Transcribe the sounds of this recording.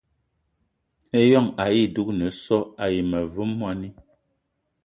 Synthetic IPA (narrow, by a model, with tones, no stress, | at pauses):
e˦jɔ˦˨ŋa˨ji˦˨du˦k̚nə˨˦sɔ˦a˨ji˨mə˨vu˦mːwa˦ni˦